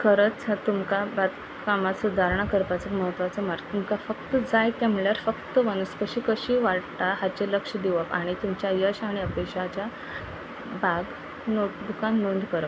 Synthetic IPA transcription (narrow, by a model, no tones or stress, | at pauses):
kʰəɾət͡sat̪umkabat̪ | kamasud̪ʱaɾɳakəɾpat͡sekməɦət̪ʋat͡səmaɾɡt̪umkafəkt̪əd͡zajt̪emɭjaɾfəkt̪əʋənəskəɕiːkəɕiːʋaɽt̪aɦat͡ɕeləkʂəd̪iʋəpa̰ɽ̃it̪umt͡ɕjajəɕaɽ̃iəpekʂat͡ɕja | baɡ | nod̪ukanːuɳɖʱkəɾəp